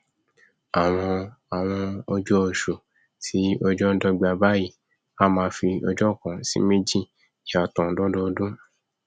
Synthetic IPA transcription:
a˨w̃ɔ̃˧a˨w̃ɔ̃˧ɔ˧d͡ʒɔ˦o˨ʃu˨ | ti˨˦ɔ˧d͡ʒɔ˦dɔ˦ɡ͡ba˧ba˦ji˦˨ | a˦˨mãː˧fi˧ɔ˧d͡ʒɔ˦˨kã˨sḭ˦me˦d͡ʒi˦ | i˨a˨tɔ̃˨dɔ˦dɔ˦˧dũ˦

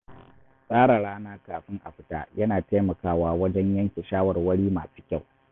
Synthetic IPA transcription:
sʼaː˦ɾa˨ɽaː˦naː˦kaː˨ɸɪ˦ŋʔa̰˨ɸɪ˦ta̰ː˦jɐ˦naː˨ta˦jmɐ˨kaː˦waː˦wɐ˦d͡ʒɛ˦ɲjɐ˦ŋkʲe˨ʃaː˦wɐ˨rwɐ˦ɽiː˦maː˨su̥ː˦kʲa˦˨w

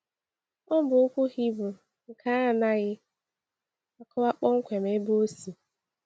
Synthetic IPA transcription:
ɔ˦bʊ˨u˦kʷu˦hi˦bʊ˨ | ŋ̩˨kʰa˦˨na˦ɣɪ˦ | a˨kʰɔ˦ba˦k͡pɔ˦ŋ̩˦kʷe˨me˦bo˦si˨

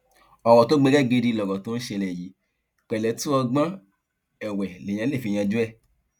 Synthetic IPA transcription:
ɔ˨wɔ˨to˦ɡ͡be˧ɡɛ˦˨ɡe˧di˧lɔ˨ɡɔ˨tõ˦ʃe˧lɛ˨ji˨˦ | k͡pɛ˨lɛ˨˦tu˦ɔ˧ɡ͡bã˦ | ɛ˨wɛ˨le˨j̃ã˧˦e˦˨fi˨˧j̃ã˧d͡ʒu˦ɛ˦˨

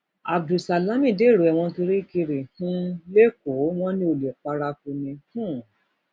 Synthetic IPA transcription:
a˨bdu˨sa˨la˨˦mĩ˦˨de˦˨ɾo˨ɛ˨w̃ɔ̃˧to˧ɾi˦ki˧ɾe˨hũ˦le˦ko˨˦w̃ɔ̃˦nĩ˧˦o˨le˨k͡pa˧ɾa˧fu˧nĩ˧hũ˦˨

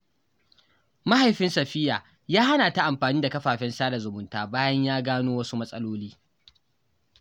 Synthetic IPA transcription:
ma˦ha˨jɸɪ˦nsɐ˨ɸɪ˦jaː˨ | jaː˦ha˦naː˨ta˦ʔa˨mɸaː˨niː˦da˨kɐ˦ɸaː˨ɸɛ˦nsaː˦da˨zʊ˨mʊ˨˦ntaː˦baː˦jɐ˦ɲjaː˦ɡaː˦noː˦wɐ˦su˦mɐ˦sʼɐ˦loː˦liː˦

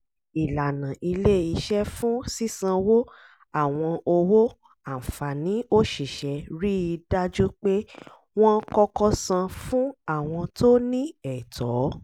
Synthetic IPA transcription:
i˨la˨nã˨ʔi˧le˦i˧ʃɛ˦fũ˦si˦sã˧wo˦ | a˦˨w̃ɔ̃˧o˧wo˦ | a˨fa˨nĩ˨˦o˦ʃi˦˨ʃɛ˨˧ɾi˦˧da˦d͡ʒu˦k͡pe˦ | w̃ɔ̃˦kɔ˦kɔ˦sã˧fũ˦a˦˨w̃ɔ̃˧to˦nĩ˦ɛ˨tʰɔ˨˦

